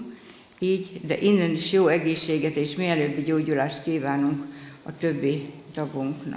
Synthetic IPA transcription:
iːɟd̪ɛ̰ʔinːɛniʃjoːɛɡeːʃːeːɡɛt̪eːʃmiɛløːbːiɟoːɟulaːʃt̪kiːvaːnuŋkɒt̪øbːit̪ɒbuŋknɒ̰

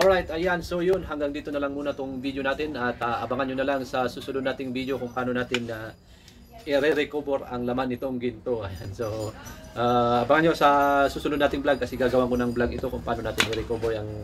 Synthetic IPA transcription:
ʔolɹajt̪ɐjansojonɦɐŋɡaŋd̪iːt̪onɐlaŋmuːnɐt̪oŋvid̪jonaːt̪ɪnɐt̪aʔɐbaŋanɲonɐlaŋsɐsuːsʊnʊd̪naːt̪ɪŋbid̪jokʊŋpɐʔaːnonaːt̪ɪnːɐ | ʔɪɾɛɾɛkoboɾɐŋlɐmanːɪt̪o̞ŋɡɪnt̪oɐjansoʔaɐbaŋanɲosɐsuːsʊnʊd̪naːt̪ɪŋblaɡ̚kɐsɛɡaːɡɐwaŋkonɐŋblaɡɪt̪o̞kʊŋpʔaːnoaːt̪ɪnɪɾɛkoːboɾɐŋ

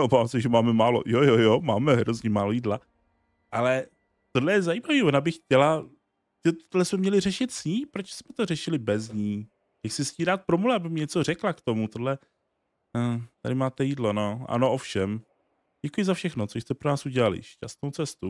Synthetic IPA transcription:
obaːvamsɛʒɛmaːmɛmaːlo̞̰jojojomaːmɛɦɾozɲɛmaːlojiːdla | ʔalɛ | t̪odlɛjɛzajiːmaviːonabɪxcɛla | ɛt̪odlɛsmɛmɲɛlɪrɛʃɪt̪sɲiːpɾot͡ʃsmɛt̪orɛʃɪlɪbɛzɲiː | jaksɪsciːdaːt̪̚pɾomulɛabɪmɪɲɛt͡so̞rɛklakt̪o̞mut̪odlɛ | t̪adɪmaːt̪ɛjiːdlonoʔa̰no̞ʔo̞fʃɛm | ɟɛkujɪzafʃɛxnot͡soʃst̪ɛpɾonaːsuɟɛlalɪ̰ʃcast̪nowt͡sɛst̪u

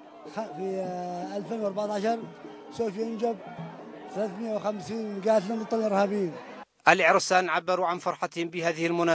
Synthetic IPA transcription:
xfiʔalfenwɑɾˤbɑʕt̪ˤɑʕɑʃɑɾˤ | sofjɪnd͡ʒab̚θalaːθməjawxamsiːnɡaːt̪lumət̪ˤːɑlɪɾhabiːn | ʔalʔɪʕɾˤsaːnʕabːɑɾuʕanfɑɾˤħɑt̪hɪmbɪhaːðɪhɪlmʊnaː

